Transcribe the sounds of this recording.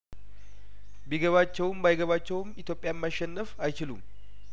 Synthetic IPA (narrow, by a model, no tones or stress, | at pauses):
biɡəβat͡ʃːɛwmbajɡəβat͡ʃːɛwmit̪ʰjo̞pʼjajɛmːaʃːɛnːəfajt͡ʃɪlṵm